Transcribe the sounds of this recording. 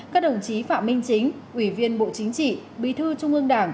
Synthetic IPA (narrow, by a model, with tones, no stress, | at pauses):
kaː˦˥k̚ɗə˨˩wŋ͡mt͡ɕi˨˦fa̰ː˧˨mï˧ŋ̟t͡ɕï˨˦ŋ̟ | ʔwi˧˩vi˧ənɓo̰˧˨t͡ɕï˨˦ŋ̟t͡ɕḭ˧˨ɓḭ˧˨t̪ʰɨ˧t͡ɕʊ˧ŋ͡mʔɨ˧əŋɗaː˧˩ŋ